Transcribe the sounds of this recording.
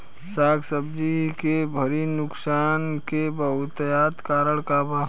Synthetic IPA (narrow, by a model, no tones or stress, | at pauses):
saːɡsəbd͡ʒikebʱəɾinʊksaːnkebəɦʊt̪jaːt̪kaːɾəɽkaba